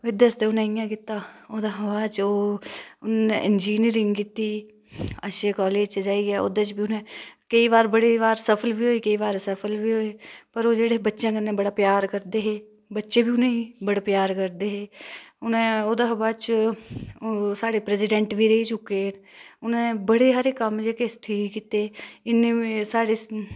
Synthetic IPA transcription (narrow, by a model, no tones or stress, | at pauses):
ɪd̪əst̪eːʊnẽːɪjãːkɪt̪ːaːoːd̪aːɦəbaːt͡ʃoːʊnneʔɪnd͡ʒiːniɾɪŋɡkit̪iː | əʃeːkɔːleːd͡ʒt͡ʃd͡ʒaːiːɡɛːo̰d̪et͡ʃbiːʊnẽːkəiːʋaːɾbəɽeːʋaːɾsəpʰəlʋiːɦoːiːkəiːʋaːɾsəpʰəlʋiːɦoːeːpəɾoːd͡ʒeːɽeːbətːʃãːkənːẽːbəɽaːpjaːɾkəɾd̪eːɦeː | bətːʃeːbʱiːʊnẽibəɽaːpjaːɾkəɾd̪eːɦeːʊnẽːoːd̪aːɦbaːt͡ʃ | saːɽeːpɾɛːsɪɖɛ̃ɳʈʋiːɾəiːt͡ʃʊkːeːʊnẽːbəɽeːɦaːɾeːkəmd͡ʒeːkesʈʰiːkːiːt̪eːɪneːsaːɽeː